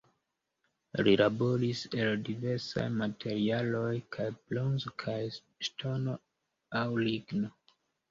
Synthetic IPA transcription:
ɾilaboɾiseldiveɾsa̰jmatʰeɾialojkʰajplonzkʰaj | stʰono | awliɡno

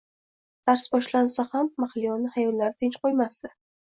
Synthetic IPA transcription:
d̪̥aɾsbɒʃlansahamːaχlɪjɒnɪhajɒllaɾɪt̪ʰɪnt͡ʃqʰojmast̪ḁ

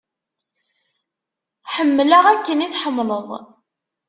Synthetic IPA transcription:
ħəmːlaʁækːəniθħəmːləðˤ

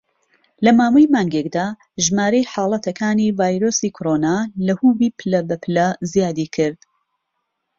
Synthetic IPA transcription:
lɐmaːwɐjmaːŋɡekd̪aː | ʒmaːɾejħɑːlˠɐt̪ʰɐkʰaːnivaːjɾosiːkʰoɾoːnaːlɐhuːbiːpʰɨlɐbɐpʰɨlɐzijaːd̪iːkʰɨɾd̪̥

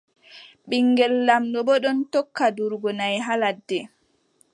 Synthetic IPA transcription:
ɓiŋːɡɛlːamɗɔbɔɗɔntɔkːaduɾɡɔnajɦaladːɛ

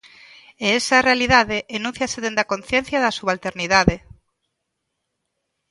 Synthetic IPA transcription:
eɛsɐrealiðaðeʔenũn̟θjɐseðend̪akonθjenθjɐðɐsuβalt̪eɾniðaðe

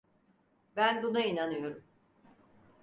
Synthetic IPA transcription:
bænbunainanɯjo̞ɾum

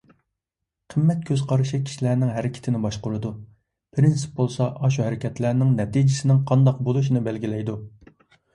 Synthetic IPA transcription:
qʰəmːɛt̪̚kʲʰøz̥qʰɑɾɨʃikʲʰi̥ʃilæɾnɪŋɦæɾɪkʲʰɪ̥t̪ʰɪnɪbɑʃqʊɾɨd̪u | pʰɾɪnsɨ̥p̚bolˠsɑʔɑʃ̬uɦæɾɪkʲʰɛt̪læɾnɪŋnɛt̪id͡ʒɪsɪnɪŋqʰɑnd̪ɑq̚bolˠuʃinɪbɛlɡʲilɛjd̪u

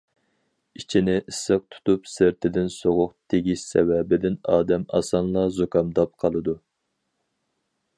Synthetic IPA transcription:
it͡ʃʰinɪʔɪsːɨq̚t̪ʰu̥t̪upsɪɾt̪ʰɪd̪ɪnsoʁʊqt̪ʰeɡʲisːɛ̰wɛbɪd̪ɪnɑːd̪ɛmɑ̰sɑnlˠɑzokʰɑmd̪ɑp̚qʰɑlˠɨd̪u

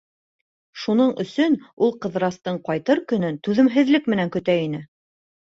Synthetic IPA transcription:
ʃunɤɴɵ̆sɵnulˠqɤ̆ðɾɑst̪ɤɴqɑjt̪ɤɾkɵ̆nɵnt̪ʉðɘ̆mɦɘ̆ðlɘk̚mɘ̆næŋkɵ̆t̪æinɘ

